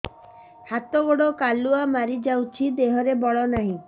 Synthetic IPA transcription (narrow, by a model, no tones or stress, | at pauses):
hat̪ɔɡoɽokaluamaɾid͡ʒawt͡ʃʰid̪eɦɔɾebɔɭɔnaɦĩ